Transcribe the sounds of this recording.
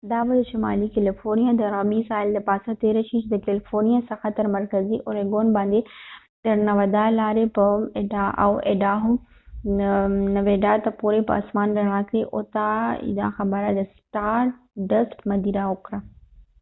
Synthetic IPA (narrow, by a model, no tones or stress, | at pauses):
d̪aːʋəd̪ʃɪmaːlikelɪfoːɾnijad̪ɔːɾãːɓiːsaːɪld̪ɐpaːsãt̪eɾɐʃiːt͡ʃʰt̪ɐkelɪfoːɾnijasɐ̃xɐt̪əɾmɐɾkəziʔoɾeːɡoːnbãːnd̪e | t̪ɐɾnɐʋɐd̪alaːɾepɐɖa̰ʔḛːɖaːɦu | nɐʋeːɖat̪ɐpoːɾepɐ̰ɐ̰smaːnɾɐɽ̃ãːkeʔoːt̪aḭd̪a̰xãbɐɾad͡ʑɐsʈaːɾ | ɖɐsʈmɐd̪iːɾaoːkɾa